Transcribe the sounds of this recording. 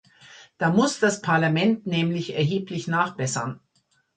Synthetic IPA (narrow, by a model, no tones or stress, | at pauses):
d̥aːmʊsd̥aspʰaɐlamɛntnɛːmlɪçɛɐɦeːplɪçnaːχb̥ɛsɐn